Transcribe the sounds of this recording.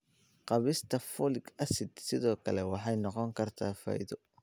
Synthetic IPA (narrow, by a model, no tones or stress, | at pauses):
qɑβɪst̪ʰɐfɔlɪɡɐsɪd̪sɪðɔːkʰɐlɛwɑħɑjnɔqɔŋkʰɐrt̪ʰaːfɐ̰ːjðɔ